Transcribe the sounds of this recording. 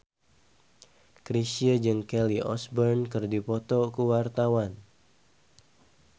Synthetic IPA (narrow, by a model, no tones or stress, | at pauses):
kɾisiəd͡ʒəŋkɛliʔɔ̰sbərnkɨrdipɔt̪ɔkuwart̪awan